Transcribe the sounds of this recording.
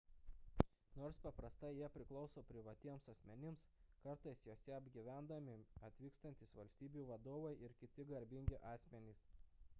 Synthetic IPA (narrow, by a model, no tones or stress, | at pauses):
noːɾspɐpɾɐst̪ɐɪjiɛpʲɾʲɪklˠɒʊsoːpʲɾʲɪʋɐt̪ʲiɛmsɐsʲmʲɛnʲɪmskɐɾt̪ɐɪsjoːsʲɛɐbʲɡʲiʋʲæˑnd̪ɐmʲɪɐt̪ʲʋʲiːkst̪ɐnt̪ʲisʋɐlʲsʲt̪ʲiːbʲuːʋɐd̪oːʋɐɪʔɪɾkʲɪt̪ʲɪɡɐɾʲbʲɪŋʲɡʲɪʔɑːsʲmʲɛnʲiːs